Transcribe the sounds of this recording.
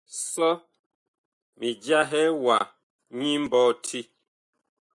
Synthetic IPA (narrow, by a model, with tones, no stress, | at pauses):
sɔ˦ | mi˨d͡ʒja˦ɦɛ˦wa˨ | ɲĩ˦m˦bɔ˦tʰi˦